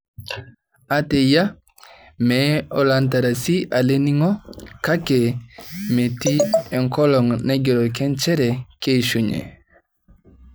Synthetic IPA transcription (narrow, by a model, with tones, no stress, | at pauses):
a˨te˨ja˦ | meo˨lant̬a˨ɾa˨si˦ʔa˨le˦ni˦ŋo˦ka˦ke˨me˨ti˦e˨ŋko˦lo˨ŋne˦ɡi˨ɾo˨ke˦nt͡ʃe˦ɾe˨ke˦ʃuɲḛ˨